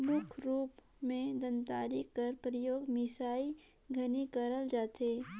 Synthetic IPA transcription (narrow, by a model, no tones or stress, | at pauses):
mʊkʰɾuːp | mẽd̪ənt̪aːɾikkɐɾpɾəjoːɡmɪsaːi | ɡʱənikəɾəld͡ʒaːt̪eː